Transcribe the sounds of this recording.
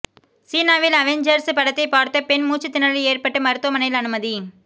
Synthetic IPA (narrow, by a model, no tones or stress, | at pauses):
siːnaːʋɪlɐʋɛɲd͡ʒɐɾspɐɽɐt̪ːɐɪpaːɽt̪ːɐpɛnmuːt͡ʃːɯt̪ːɪnɐɭleːrpɐʈːɯmɐɾɯt̪ːʊʋɐmɐnɐɪlɐnɯmɐði